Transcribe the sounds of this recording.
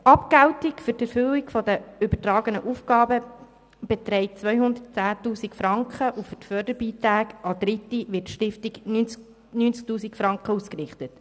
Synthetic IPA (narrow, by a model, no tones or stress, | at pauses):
ʔɑpkæwtɪkfʏɾtɛɾfʏwɪkfɔdəʏbətrɑːɡənəʔuːfɡɑːbə | b̥ɛt̪ɾɛɪt͡sʋœʏhʊnd̪ətt͡sæːtuːsikfɾɑŋkχəʔufʏtfœːdəbiːtɾæːkɑd̥̪ɾɪtːiʋɪɾtʃtɪftiɡny | nyːnt͡sk̚tuːsikfɾɑŋkχəuːskrɪχtət